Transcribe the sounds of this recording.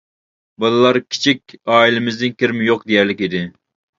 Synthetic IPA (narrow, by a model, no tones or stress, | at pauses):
bɨlˠɨlˠɑɾkʲʰi̥t͡ʃʰikʲɑːilɪmɪzd̪ɪnkʲɪɾmɪjoq̚d̪ejæɾlɪkʲid̪ɪ